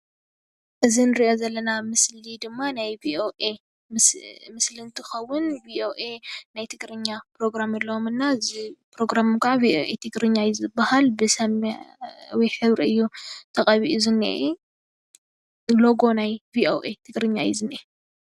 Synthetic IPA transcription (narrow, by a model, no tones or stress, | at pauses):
ʔɨzinɨɾiʔo̞zɐlːɐnamɨslid̪ɨmːanajvioʔe | mɨslint̪ʰɨxɐwːʊnviʔoʔenajt̪ʰɨɡɾɨɲːapɾo̞ɡɾamɐlːɐomɨnːazipɾo̞ɡɾamkaʕavioʔet̪ʰɨɡɾɨɲːajizɨbahalbɨsɐm | wijħɨβɾiɨjːut̪ʰɐχʼɐβiʔuzɨnḭʔ | lo̞ɡo̞najvioʔet̪ʰɨɡɾɨɲːajḭzɨnʔe